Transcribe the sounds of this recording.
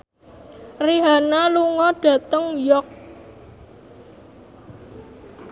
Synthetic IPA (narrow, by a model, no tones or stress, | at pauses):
riɦanaluŋɔɖ̥ä̤t̪əŋjɔk̚